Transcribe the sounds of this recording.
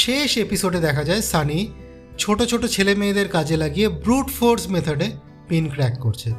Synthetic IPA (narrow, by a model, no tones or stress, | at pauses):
ʃeʃepisoɖed̪ɛkʰad͡ʑaesani | t͡ɕʰoʈot͡ɕʰoʈot͡ɕʰelemeːd̪eɾkad͡ʑʱelaɡijebɾuʈfoɾɖsmet̪ʰoɖe | pinkɾɛkːoɾt͡ɕʰe